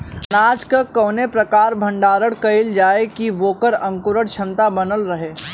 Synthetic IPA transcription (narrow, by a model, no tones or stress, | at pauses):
naːd͡ʒkəkəːnepɾɐkaːɾbʱɐ̃ɳɖaːɾəɽkɐɪld͡ʒaːekiʋoːkəɾɐ̃ŋkʊɾəɽt͡ʃʰɐmt̪abɐnəlɾɐɦeː